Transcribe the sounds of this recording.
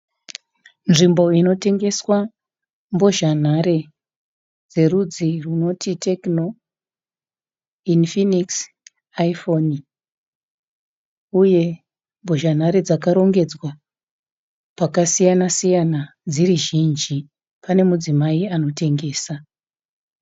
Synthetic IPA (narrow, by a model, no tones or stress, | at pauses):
nʐimbo̞ino̞te̞ŋɡe̞swa | mboʒan̤aɾe̞ | d͡ze̞rud͡ziruno̞tʰite̞kno̞ | infiniks | aifo̞ni | uje̞ | mboʒan̤aɾe̞d͡zakaɾo̞ŋɡe̞d͡zwa | pakasijanasijana | d͡ziriʒind͡ʒi | pane̞mud͡zimaiano̞te̞ŋɡe̞ːsa